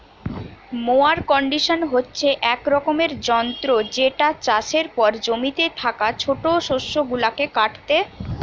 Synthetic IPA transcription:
moaɾkɔɳɖiʃonɦotːɕʰeʔɛkɾɔkomeɾd͡ʑɔnt̪ɾod͡ʑeʈat͡ɕaʃeɾpɔɾd͡ʑomit̪et̪ʰakat͡ɕʰoʈoʃoʃːoɡulakekaʈt̪e

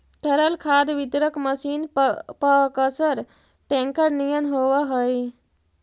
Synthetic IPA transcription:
t̪ʰəɾəlkʰad̪ʋid̪ɾəkməsiːnpəkəsəɾ | ʈẽŋkəɾnijənɦoʋaɦəj

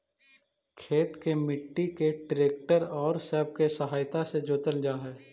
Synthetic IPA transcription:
kʰeːt̪kemɪʈːikeʈɾeːk̚ʈəɾɔːɾsɛːb̚kesəɦaːjt̪ased͡ʒoːt̪əld͡ʒaːɦɛː

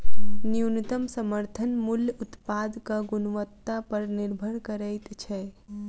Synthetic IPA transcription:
niunit̪əmsəməɾt̪ʰənmuljut̪pad̪kəɡunʋət̪ːapəɾniɾbʱəɽkəɾəjt̪t͡ʃʰɛ

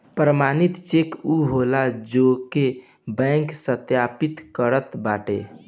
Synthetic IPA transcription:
pɾəmanit̪t͡ʃekuɦolad͡ʒoke | bɛ̃ŋksət̪japit̪kəɾət̪baʈḛ

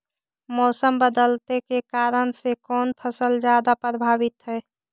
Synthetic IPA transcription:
mɔːsəmbəd̪əlt̪ekekaːɾənsekɔːnpʰəsəld͡ʒjaːd̪apɾəbʱaːʋɪt̪ɦɛː

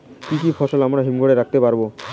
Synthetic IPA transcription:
kikifʰɔʃolamɾaɦimɡʱoɽeɾak̚t̪epaɾbo

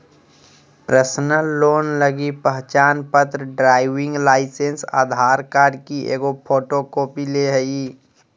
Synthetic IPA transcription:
pɾəsnəloːnləɡipəɦt͡ʃaːnpət̪ɾəɖɾaːɪʋɪ̃ŋɡlaːɪsensa̰ːd̪ʱaːɾkaːɾɖkiʔḛːɡopʰoːʈokoːpileɦəi

